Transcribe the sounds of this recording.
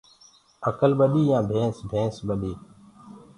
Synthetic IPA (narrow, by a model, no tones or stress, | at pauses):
əkəlɓəɗiːjãːbʱẽːsbʱẽːsɓəɗiː